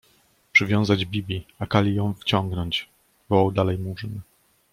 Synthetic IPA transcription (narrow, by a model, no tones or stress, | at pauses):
pʂɘvʲjɔ̃w̃zad͡ʑbʲibʲiakalʲijɔ̃w̃ft͡ɕɔ̃ŋɡnɔɲt͡ɕ | vɔwawd̪alɛjmuʐn